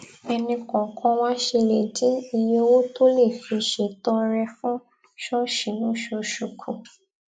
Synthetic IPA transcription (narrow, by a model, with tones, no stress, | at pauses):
ɛ˧nĩ˧kɔ̃˨kʰɔ̃˧w̃ã˦ʃe˧le˨d͡ʒi˨˦i˧˨je˦˧˦wo˦to˦le˦˨fi˧ʃe˨tɔ˧ɾɛ˧fũ˦ | ʃɔ˦ʃi˨nũ˦ʃo˧ʃu˨kʰũ˨